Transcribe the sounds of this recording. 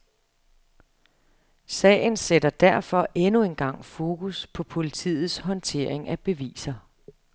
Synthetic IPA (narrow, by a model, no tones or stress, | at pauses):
sɛ̰ːɪn̩sedɐd̥æɐ̰fɒ̽ʔenue̝nɡ̥ɑ̈ŋ̰fo̝ːkʰuspʰɒ̽pʰo̝lit͡sʰḭːð̩ˠsɦɒ̽nt͡sʰe̝̰ɐ̰eŋæb̥e̝ʋḭːsɐ